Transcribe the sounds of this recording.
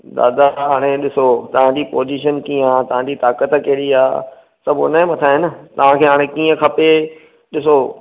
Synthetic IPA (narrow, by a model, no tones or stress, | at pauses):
d̪a̰ːd̪aɦaːɽ̃ẽɗɪsot̪ɐʋ̤ãɲd͡ʑipoːziːʃənkĩːə̃aːt̪ɐʋ̤ãɲd͡ʑit̪aːkət̪keːɾiaː | sɐbʊ̰nə̃mɐt̪ʰaɦɪn̆t̪ɐʋ̤ãkʰeːɦaːɽ̃ẽkĩːə̃kʰɐpe | ɗɪso